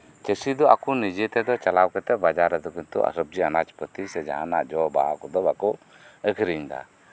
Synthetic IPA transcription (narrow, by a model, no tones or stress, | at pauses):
t͡ʃəsid̪ɔʔakɔnid͡ʒɛt̪ɛd̪ɔt͡ʃalawkɛt̪ɛbad͡ʒaɾad̪ɔkint̪ṵʔa̰sɔb̚d͡ʒianat͡ʃpət̪isɛd͡ʒa̰ɦanaʔd͡ʒɔbaakɔd̪ɔbakɔ | əkʰɾiɲd̪a̰